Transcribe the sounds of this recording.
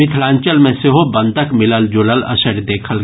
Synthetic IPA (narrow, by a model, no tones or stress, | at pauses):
mɪt̪ʰlãːɲt͡ʃəlmẽsɪɦobə̃nd̪əkmɪləld͡ʒʊləlɐ̰səɾd̪eːkʰəl